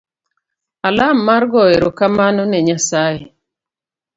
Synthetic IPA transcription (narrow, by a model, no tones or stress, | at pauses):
alamːaɾɡɔeɾokamanɔnɛɲasaje